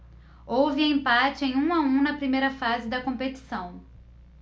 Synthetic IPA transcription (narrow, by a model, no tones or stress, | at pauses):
owvɪɐẽmpat͡ʃɪẽj̃ũaũnɐpɾimejɾɐfazɪd̪ɐkõpet͡ʃi̥sɐ̃w̃